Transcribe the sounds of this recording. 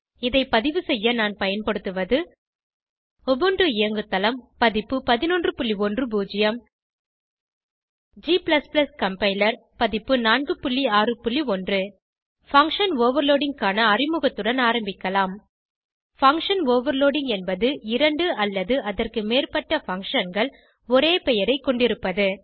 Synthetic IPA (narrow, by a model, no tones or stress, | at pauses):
ɪðɐɪpɐðɪʋɯsɛjːɐnaːnpɐjɐnpɐɽɯt̪ːɯʋɐðɯ | ɔbɔɳɖrɯɪjɐŋɡɯt̪ːɐlɐmpɐðɪpːɯpɐðɪnɔndrɯpʊɭːiɔndrɯbuːd͡ʒɪjɐm | d͡ʒiːplɐsplɐskɐmpɐɪlɐɾpɐðɪpːɯnaːnɡɯpʊɭːiaːrɯpʊɭːiɔndrɯ | fɐŋkʂɐnoːʋɐɾloːɽɪŋkaːnɐːrɪmɯɣɐt̪ːɯɽɐnaːɾɐmbɪkːɐlaːm | fɐŋkʂɐnoːʋɐɾloːɽɪŋɡɛnbɐðɯɪɾɐɳɖɯɐlːɐðɯʔɐðɐrkɯmeːrpɐʈːɐfɐŋkʂɐnɡɐɭ | ɔɾeːpɛjɐɾɐɪkːɔɳɖɪɾɯpːɐðɯ